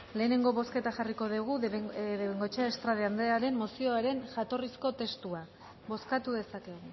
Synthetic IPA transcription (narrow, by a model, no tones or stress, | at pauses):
le̞ːne̞ŋɡo̞βo̞ske̞t̪axariko̞ðeɣ̞uðeβeŋɡo̞t͡ʃaest̪ɾaðeand̪eaɾe̞mːo̞sio̞aɾe̞nʝat̪o̞risko̞t̪e̞st̪ua | βo̞skat̪uðe̞sake̞ɣu